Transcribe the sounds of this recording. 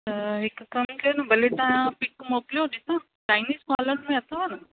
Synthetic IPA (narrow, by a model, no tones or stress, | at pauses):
əɦɪkkɐmkenɐbʱɐlet̪ɐãpɪkmoːkljod̪isãː | t͡ʃaːɪniːskaːləɾmẽɐt̪ʰaʋanɐ